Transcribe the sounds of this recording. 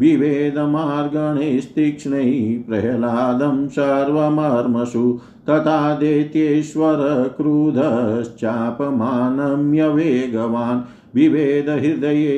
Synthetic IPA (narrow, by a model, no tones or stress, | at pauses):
ʋiʋeːd̪ɐmaːɾɡɐɳest̪ikʂɳɐipɾɐɦɐlaːd̪ɐmsaɾʋɐmɐɾmɐʃu | t̪ɐt̪ʰaːd̪eːt̪jeːʃʋɐɾɐkɾuːd̪ʱɐst͡ʃaːpɐmaːnɐmjɐʋeːɡɐʋaːn | ʋiʋeːd̪ɐɦiɾd̪ɐjeː